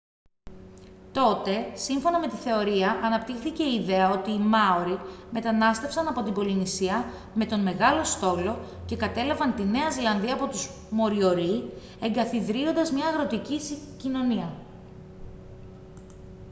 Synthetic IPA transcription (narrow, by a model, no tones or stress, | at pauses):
t̪o̞t̪e̞siɱfo̞nɐme̞t̪iθe̞o̞ɾiɐʔɐnɐpt̪ixθice̞iiðe̞ɐo̞t̪iːmɐoɾime̞t̪ɐnɐst̪e̞fsɐnɐpo̞t̪ibo̞linisiɐ | me̞t̪o̞nme̞ɣɐlo̞st̪o̞lo̞ce̞kɐt̪e̞lɐvɐnt̪ine̞ɐzilɐnðiɐːpo̞t̪uz | mo̞ɾio̞ɾi | e̞ŋɡɐθiðɾio̞nd̪ɐzmɲɐːɣɾo̞t̪iciscino̞niɐ